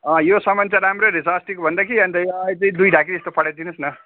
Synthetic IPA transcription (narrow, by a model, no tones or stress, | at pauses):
ʌ̃josʌmʌnt͡saɾamɾoɾisasʈikobʱʌnd̪akʰiʌnt̪ʌĩʌjt͡sʌĩd̪ujɖʱakiest̪opʰʌɽad̪inʌsnʌ